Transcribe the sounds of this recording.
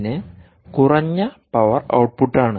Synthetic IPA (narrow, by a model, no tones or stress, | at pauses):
ne | kurɐɲːɐpɐʋɐrɐ̰wʈ̚puʈːaːɳɨ